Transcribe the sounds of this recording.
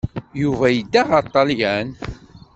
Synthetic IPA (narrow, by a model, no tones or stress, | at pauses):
juvæjəd̪ːaʁɑt̪ˤːɑliæn